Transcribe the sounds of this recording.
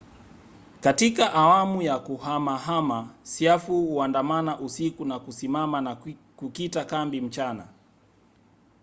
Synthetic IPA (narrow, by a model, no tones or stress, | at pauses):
katikaʔawamujakuhamaɦamasiafuhuandamanaʔusikunakusimamana | kukitakambim̩t͡ʃana̰